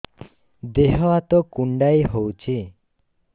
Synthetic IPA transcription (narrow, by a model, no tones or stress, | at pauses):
d̪eɦɔat̪ɔkuɳɖajɦowt͡ʃʰi